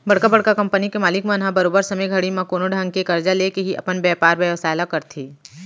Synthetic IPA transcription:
bɐɽ̤kabɐɽkakɐ̃mpənikemaːlɪkmẽnɦãbɐɾoːbəɾsɐmeɡʱɐɽimãkoːnoɖʱãŋɡkekɐɾd͡ʒaleːkeɦiʔɐ̰pənbɛːpaːɾbɛʋsaːlakɐɾt̪ʰiː

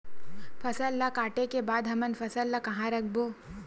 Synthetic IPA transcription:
fʰɐsəlːakaːʈekebaːd̪ɦɐmənfɐsəlːakɐɦãɾɐk̚ʰboː

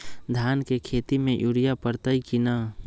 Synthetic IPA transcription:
d̪ʱankekʰet̪imẽjʔuɾijapəɾt̪əikina

